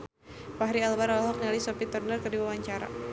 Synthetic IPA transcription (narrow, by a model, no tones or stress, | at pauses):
paɦɾialbaɾalɦɔk̚nɛlisɔpit̪ərnərkərdiwawaɲt͡ʃaɾa̰